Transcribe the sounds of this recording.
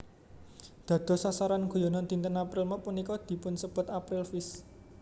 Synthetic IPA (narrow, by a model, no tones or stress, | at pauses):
d̪̥ä̤d̪̥ɔ̤sasaɾanɡ̥o̤jɔnɔnd̪i̤nt̪ənapɾɪlmɔpunikɔd̪̥i̤pʊnsəb̥ʊ̤t̪apɾɪlfɪs